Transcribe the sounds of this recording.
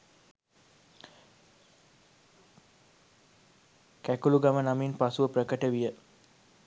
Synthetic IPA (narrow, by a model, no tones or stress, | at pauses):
kækuluɡamənaminpasuʋəprəkəʈəʋijə